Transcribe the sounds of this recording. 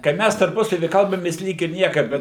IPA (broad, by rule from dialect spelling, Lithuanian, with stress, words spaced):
kɐɪ ˈmʲæs tɐrˈpʊsɐʋʲiː ˈkɐlˠbɐmʲeːs ˈlʲiːk ɪr ˈnʲiɛkɐ ˈbʲɛt